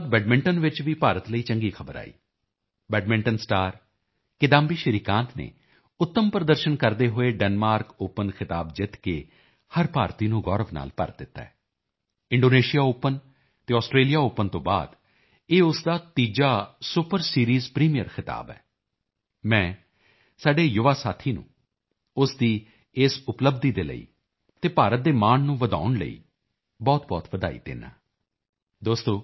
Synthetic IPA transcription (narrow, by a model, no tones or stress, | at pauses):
d̪̚bɛːɖmɪ̃ɳʈənʋɪt͡ʃʋiːpaːɾət̪ləiːt͡ʃəŋɡiːkʰəbəɾa̰ːḭː | bɛːɖmɪ̃ɳʈənsʈaːɾ | kɪd̪ãːmbiːʃəɾiːkãːnt̪ʰnḛː | ʊt̪ːəmpɾəd̪əɾʃənkəɾd̪eːɦʊeːɖɛnmaːɾkʊpːənkʰɪt̪aːbd͡ʒɪt̪kḛː | həɾpaːɾt̪iːnũːɡɔːɾəʋna̰ːlpə̰ɾd̪ɪt̪ːa̰ɛː | ɪ̃ɳɖoːneːʃijaːopːən | t̪eːɔːsʈɾeːlijaːoːpənt̪õːba̰ːd̪ | eːʊsd̪aːt̪iːd͡ʒaːsʊpəɾsiːɾiːzpɾiːmijə̰ɾkʰɪt̪a̰ːbɛ̰ː | mɛ̃ː | saːɖeːjʊʋaːsaːt̪ʰiːnṵ̃ː | ʊsd̪iː | ɪsʊpləbd̪iːd̪eːlə̰ḭː | t̪eːpaːɾət̪̚d̪eːmaːnnũːʋəd̪a̰ːʊɳlə̰ḭː | bɔːt̪bɔːt̪ʋəd̪aːḭd̪ḛːna̰ː | d̪oːst̪õː